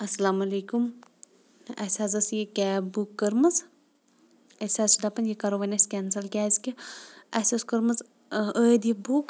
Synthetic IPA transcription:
ɐsɐlaːmɐlekum | ɐ̰sʲaːzɐsjikʲɛːbukːəɾmɐz | ɐsʲazsud̪apɐnjikɐɾoʋɐnʲɐsʲkʲɛnsɐlkʲaːzʲkʲiɐsʲɐskɐɾmɐz | əːd̪ibuk

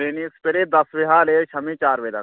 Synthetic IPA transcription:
ɾenispeɾeːd̪ɐsʋeɦaːleːt͡ʃʰɐmĩt͡ʃaːɾʋeːd̪ɐ

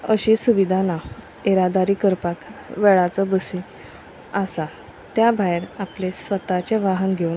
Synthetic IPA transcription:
əɕiːsuʋid̪ʱana | eɾad̪aɾiːkəɾpakʋeɭat͡sɔbəsi | asa | t̪jabʱajɾaplesʋət̪at͡ɕeʋaɦənɡʱe

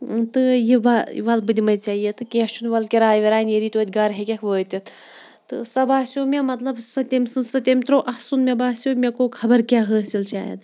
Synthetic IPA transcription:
t̪ɨjiba̰ʋɐlbɨd̪imɐjt͡ʃaːɦijet̪ɨkeʃunʋɐlkʲiɾaːjʋeɾaːneɾiːt̪oːt̪ʲɡɐɾɦekʲekʰʋəːt̪ʲit̪ | t̪ɨ̰sɐbaːsʲoːmemɐt̪lɐbsɐt̪ʲemsɨnsɨt̪emt̪ɾoːʔɐhsunmebaːsʲoːmekoːkʰɐbɐɾkʲaːɦəːsilt͡ʃa̰ːjḛd̪

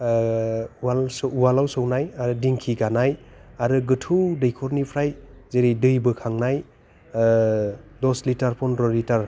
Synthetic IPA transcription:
walsuwalawsɔwnajaɾɯdiŋkʰiɡanaj | aɾɯɡɯtʰuwdɯjkʰɔɾnipʰɾajzeɾijdɯjbɯkʰaŋnaj | lɔslitaɾpʰɔnɾɔlitaɾ

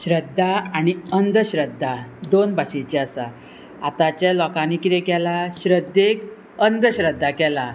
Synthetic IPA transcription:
ɕɾəd̪ʱːaañiənd̪ʱəɕɾəd̪ʱːad̪onbʱaɕet͡ɕeasa̰ | at̪at͡ɕalɔkanikiɾekɛlaɕɾəd̪ːek | ənd̪ʱɕɾəd̪ʱːakɛla

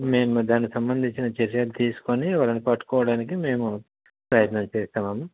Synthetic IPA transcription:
me̞ːmd̪aːnikisɐmbɐnd̪ʱiɲt͡ʃinɐt͡ʃeɾjaːlut̪iːsu̥koniʋaːlɐnipɐʈːu̥kɔːʋɐɽaːnik̬ime̞ːmu | pɾɐjɐt̪nɐmt͡ʃeːst̪aːmɐːmɐ

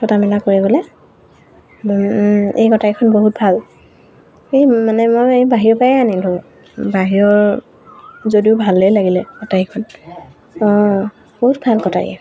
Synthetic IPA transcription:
tʰɔtamɛlakoɹiɡolɛ | ejɡɔtajkʰɔnboɦut̚bʱal | emanɛmojejbaɦiɹɔpajɛanilɦɔɔ | baɦiɹɔɹ | zodiʊbʱalːejlaɡilɛɡɔtaikʰɔn | ɔ̃ | b̥oɦut̚bʱalkɔtaɹḭ

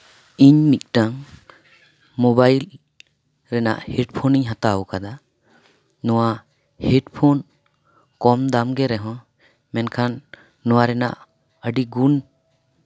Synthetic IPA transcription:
iɲnik̚ʈaŋ | mobajl | ɾɛna̰ʔheʈpʰoniɲɦãt̪aukad̪a | nɔwa | heʈpʰon | kɔmd̪amɡɛɾɛɦɔ̃ | mɛnkʰanː | ɔwaɾɛna̰ʔ | əɖiɡun

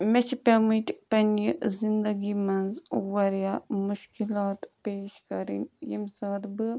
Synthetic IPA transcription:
met͡ʃʰipɐmiʈpɐnjizind̪ɐɡimɐnzwɐɾjaːmuʃkilaːt̪peːʃkɐɾḭnjimsaːd̪bɨ

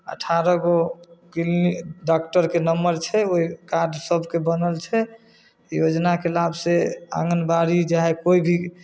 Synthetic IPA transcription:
ə̰ʈʰaɾəɡokiliɖak̚ʈəɾkenəmːəɾt͡ʃʰɛoikaɾɖsəbʱkebənəlt͡ʃʰɛ | jod͡ʒnakelabsea̰ŋənbaɾid͡ʒaɦekoibʱi

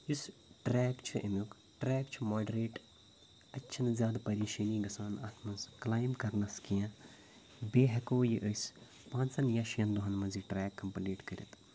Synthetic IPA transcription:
jisʈɾɛːkt͡ʃʰuʔɐmuk | ʈɾɛːkt͡ʃʰumoːɖɐɾeːʈ | ɐtʲːt͡ʃʰɐnzʲjaːd̪pɐɾeːʃɐniːɡɐsaːnat̪ʰmɐnsklaːjmkɐɾnɐskijãː | beːɦɐkoːjiʔəjs | pãːnsɐnjaːʃijɐnd̪uɦɐnmɐnziʈɾɛːkːɐmpɐliːʈkɐɾʲḭt̪

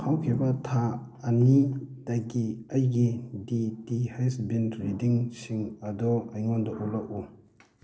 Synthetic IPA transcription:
kʰawkʰebat̪ʰa | anid̪̥aɡiajɡidid̪ihajsbinɾidiŋɕiŋad̪ɔajŋɔnd̪ɔʔolaʔu

